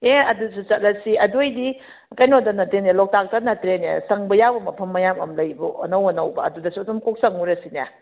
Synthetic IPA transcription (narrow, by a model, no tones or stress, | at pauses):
eɐdusut͡ʃɐt̚lɐsiɐdojdi | kajnodɐnɐtɾenelɔk̚tak̚tɐnɐtɾenḛsɐŋbɐjawbɐmɐpʰɐmːɐjamɐ̰mlɐjbuɐ̰nɐwɐnɐwbɐːdudɐsuɐdumkok̚sɐŋuɾɐsina̰